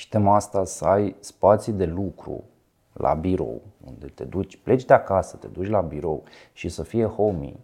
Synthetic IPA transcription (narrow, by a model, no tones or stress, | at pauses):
ʃi̥t̪emast̪asəajspat̪sid̪e̞lukɾṵ | la̰biɾo̞̰wṵnd̪e̞t̪e̞d̪ut͡ʃʲplʔe̞t͡ʃʲd̪eakasə̥t̪e̞̰d̪ut͡ʃʲlabiɾo̞̰wʃisəfije̞ho̞mḭ